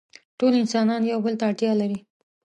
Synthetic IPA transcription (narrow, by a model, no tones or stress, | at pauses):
ʈolɪnsɑnɑnjawbəlt̪aːʈ̪jɑlaɾi